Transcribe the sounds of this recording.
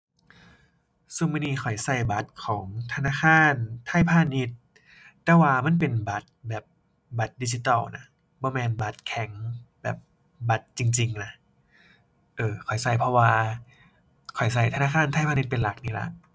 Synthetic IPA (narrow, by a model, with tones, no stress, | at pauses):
su˧˩mɯː˧niː˧˨kxʰɔ˨˩jsa˧˩jba˧˦t̪̚kʰɔː˩˦ŋt̪ʰa˧naː˧˥˨xʰaː˧˥˨nt̪ʰaː˧˥˨jpʰaː˧˨ni˧˥t̪̚ː | ɛː˧waː˧ma˧˥˨np̬e˨nba˨˦t̪̚bɛː˨˩p̚ | ba˧˦t̪̚diː˧si˧t̪ɔː˧˩wna˧˥ | bɔː˧˦mɛː˧nba˧˦t̪̚kʰɛ˨˦ŋbɛ̰ː˨˩p̚ | ba˧˦t̪̚t͡ɕi˧ŋt͡ɕi˧ŋna˧ | ʔɤː˧kʰɔ˨˩jsa˧˩jpʰɔ˧waː˧ | kʰɔ˨˩jsa˧˩jt̪ʰa˧naː˧˥˩kʰaː˧˥˨nt̪ʰa˥˨jpʰa˧ni˧˦t̪̚pe˨nla˨˩k̚niː˧˩la̰˧˦ʔ